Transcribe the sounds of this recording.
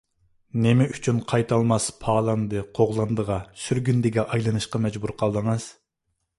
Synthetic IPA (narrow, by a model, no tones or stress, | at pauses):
nɪmɛyt͡ʃʰynqʰɑjt̪ʰɑlˠmɑspʰɑːlˠɑnd̪ɨqʰoʁlˠɑnd̪əʁɑsyɾɡʲynd̪ɪɡʲɛʔɑjlˠɨnɨʃqɑmɛd͡ʒbuɾqʰɑlˠd̪əŋɨz̥